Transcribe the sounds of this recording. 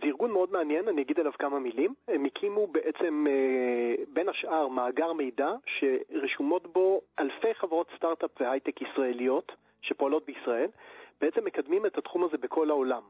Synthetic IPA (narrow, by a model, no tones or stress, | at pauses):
ziʁɡunmeo̞dmeanjenanijaɡid̪alavkamamilimemikʰimubeʔet͡se̞m | be̞nhaʃʔaʁmaːɡaʁme̞jdaʃe̞ʁeʃumo̞tbo̞ʔalfe̞jχavaʁo̞t̪staʁt̪apvehajt̪ekisʁae̞lijo̞t | ʃe̞po̞alo̞t̚beisʁae̞lb̥eet͡se̞mːe̞kad̪mimethat̪χumaze̞bekʰo̞lao̞lam